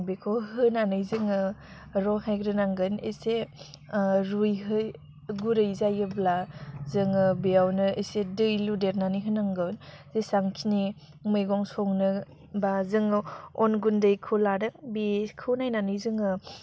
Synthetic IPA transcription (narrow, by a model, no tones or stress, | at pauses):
ŋbekʰoɦɯnanɯjzɯŋɯ | ɾɔɦajɡɾɯnaŋɡɯnḛse | ɾujɦɯj | ɡuɾɯjzajɯblazɯŋɯbijawnɯesedɯjludeɾnanɯjɦɯnaŋɡɯwnzesaŋkʰini | mɯjɡɔŋsɔŋnɯ | bazɯŋɔnɡundɯjkʰɯwlaɾɯk̚bikʰɯwnajnanɯjzɯŋɯ